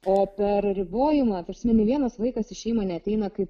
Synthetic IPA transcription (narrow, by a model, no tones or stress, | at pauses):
oːpʲɛɾɾʲɪboːjɪmɐt̪ɐɾʲsʲɪmʲɛnʲɛʋʲiɛnɐslˠɐɪkɐsɪʃʲɛɪmɐnʲɛɐt̪ʲɛɪnɐkɐɪp